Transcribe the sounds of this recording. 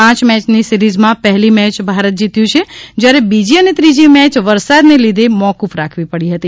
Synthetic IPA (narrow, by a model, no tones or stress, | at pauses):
ãt͡ʃmɛt͡ʃnisiɾid͡ʒmãpəɦɛlimɛt͡ʃbʱaɾət̪̚d͡ʒit̪jũt͡ʃʰed͡ʒjaɾebid͡ʒiənet̪ɾid͡ʒimɛt͡ʃʋəɾsad̪nelid̪ʱemɔkufɾakʰʋipəɽiɦət̪i